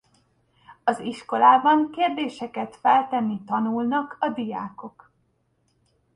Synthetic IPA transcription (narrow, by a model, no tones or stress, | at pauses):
ɒziʃko̞laːbɒŋkeːrd̪eːʃɛkɛt̪fɛlt̪ɛnːit̪ɒnulnɒkʰɒd̪ija̰ːko̞k